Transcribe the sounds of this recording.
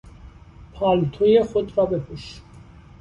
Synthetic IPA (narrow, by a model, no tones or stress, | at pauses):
pʰɑːlt̪ʰojexod̪ɾɒːbe̞pʰuʃ